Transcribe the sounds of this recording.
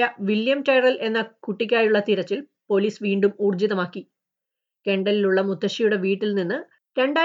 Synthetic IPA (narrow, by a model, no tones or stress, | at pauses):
ɐʋiljɐmʈɐjrɐlʔe̞nːɐkuʈːik̬ʲːaːjuɭːɐt̪iɾɐt͡ɕːil | po̞liːsʋiːɳɖumuːrd͡ʑiðɐmaːkːi | ke̞ɳɖɐliluɭːɐmud̪ːɐɕijuɽe̞ʋiːʈːilninːɨ | ɾe̞ɳɖaː